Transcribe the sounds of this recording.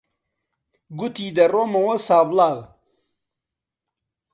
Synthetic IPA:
ɡut̪id̪ɐɾomɐwosaːblaɣ

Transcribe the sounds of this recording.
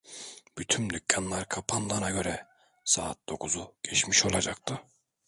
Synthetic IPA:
b̥yt̪ʰymd̪ycʲʰːanlˠaɾkʰapʰanlˠanaɡø̞ɾɛ | saːt̪̚d̪̥o̞kʰuzuɟ̥ɛt͡ʃmiʃo̞lˠad͡ʒak̚t̪ʰɯ

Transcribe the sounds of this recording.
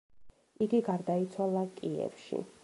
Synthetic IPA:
iɡiɡaɾd̪ait̪sʰwalˠakʼiɛ̰fʃḭ

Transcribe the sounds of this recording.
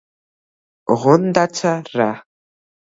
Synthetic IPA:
ʁʷʊnd̪at͡sʰɐra

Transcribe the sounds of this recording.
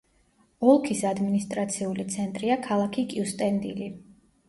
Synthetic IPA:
ɔlˠkʰisad̪minist̪ʼɾat̪sʰiulit̪sʰɛnt̪ʼɾiakʰalˠakʰikʼiust̪ʼɛnd̪ḭli

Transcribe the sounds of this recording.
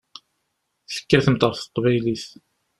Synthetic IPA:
θə̥kːəɾθəmt̪ˤɑɾˤθə̥q̪ːvæjliθ

